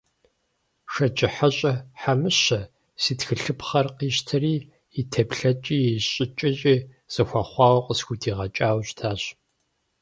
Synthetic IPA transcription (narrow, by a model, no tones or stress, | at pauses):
ʃɐt͡ʃʼɪħaɕʼɐħamɨɕɐ | siːtxɨɬɨpχɐrqiːɕtʰɐriː | itʰɐpɬɐt͡ʃʼiːjɛɕʼɪt͡ʃʼɐɕʼiː | z̥ɐxʷɑːχʷɑːwqʼəsxʷutʰiːʁɐt͡ʃʼaːwɕtʰaːɕ